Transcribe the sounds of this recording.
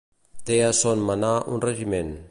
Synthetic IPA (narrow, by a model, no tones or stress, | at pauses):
t̪easɔnmanaʔṵnreʒimen